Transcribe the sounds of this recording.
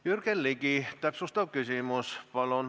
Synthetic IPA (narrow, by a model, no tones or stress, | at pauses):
jyrkenliɡit̪æpsust̪ɑʋkysimuspɑlon